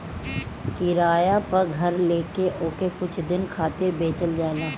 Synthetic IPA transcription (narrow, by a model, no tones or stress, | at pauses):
kɪɾaːjapɐɾɡʱɐɾleːkeʔoːkekʊt͡ʃʰd̪ɪnkʰaːt̪ɪɾbeːt͡ʃəld͡ʒaːlaː